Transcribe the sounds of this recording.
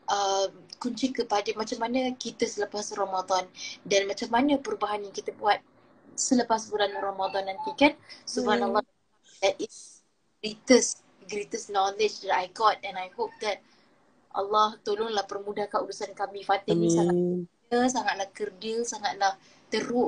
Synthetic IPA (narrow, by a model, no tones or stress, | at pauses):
ʔəmkuɲt͡ʃikəpadəmat͡ʃamːanəkit̪əsələpasrɔmad̪ɔndanmat͡ʃamːanəpəɾubaɦanjaŋkit̪əbuat̪̚ | sələpasbulanrɔmad̪ɔnːant̪ikansubanalːɔ | dɛt̪̚is | ɡɾit̪əs | ɡɾit̪əsnɔlɪd͡ʒdɛtajɡɔt̪̚ɛ̃najhop̚d̪ɛt̪̚ | ʔa̰lːɔht̪olʊŋlahpərmudahkaudusankamĩfat̪ɪnĩsaŋat̪̚ə | əsaŋat̪̚lahkərdəsaŋat̪̚lah | t̪əɾʊ